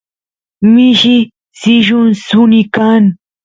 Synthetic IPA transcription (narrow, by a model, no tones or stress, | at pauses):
mɪʃɪ | sɪʒʊnsʊnɪkan